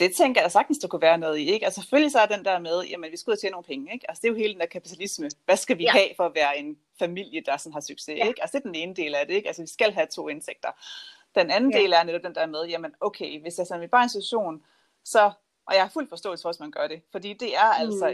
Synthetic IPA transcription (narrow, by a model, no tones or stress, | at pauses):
d̥e̝t͡sʰeŋ̰ɡɐjæ̥sɑ̈ɡ̥d̥n̩sd̥ukʰuʋæːɐnɔ̽ːð̞̩ˠieɡ̥ɒsseføljisɒɐd̥end̥æɐmeð̞ˠjæmənʋisɡ̥uðˠt͡ɕʰeːnːo̝ːn̩pʰeŋəeɡ̥ælsə̥d̥e̝jo̝ɦeːld̥end̥æɐkʰæpi̥t͡sʰælisməʋæsɡ̥æʋihɛ̰ːfɒ̽æʋæːɐe̝n | fæmil̰jəd̥ɑ̈sɒ̽nɦɑ̈syɡ̥se̝̰eɡ̥ɒsd̥ed̥ene̝ːnəd̥e̝ːlæɐɾ̥e̝e̝ɡ̥ælsəʋisɡ̥æl̰ɦæt͡sʰo̝̰ːe̝nseɡ̥̚d̥ɐ | d̥enænn̩de̝ːlæɐneɾɒb̚d̥end̥æɐmeð̞ˠjæmənɔʊkʰeɪʋe̝sjɑsenʋib̥ɑ̈ːe̝nsit͡sʰu̥ɐɕo̝̰ːn | sɒ̽ | ʔjɑ̈hɑ̈ful̰d̥fɒ̽sd̥ɔ̰ːl̩sə̥fɒsmænɡ̥ɶɐɾ̥e̝fɒ̽d̥ḭːd̥e̝æɐæl̰sɒ̽